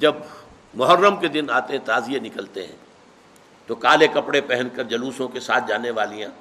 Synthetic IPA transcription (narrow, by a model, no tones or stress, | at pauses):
d͡ʒɐb | mʊɦərːəmked̪ɪnaːt̪eɦɛ̃t̪aːzijenɪkəlt̪ḛɦɛ̰̃ː | t̪okaːlekɐpɽepɛɦɛ̃nkəɾd͡ʒɐluːsõkesaːt̪̚ʰd͡ʒaːneʋaːlijãː